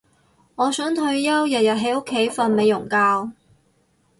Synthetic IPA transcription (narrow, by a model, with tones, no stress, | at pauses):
ŋɔː˨˧sœː˨˥ŋt̪ʰɵ˧ɥjɐ˥wjɐ˨t̚jɐ˨t̚ɦe˨˥jʊ˥kʰːe˨˥jfɐ˧nme˨˧jʊ˨˩ŋkaː˧w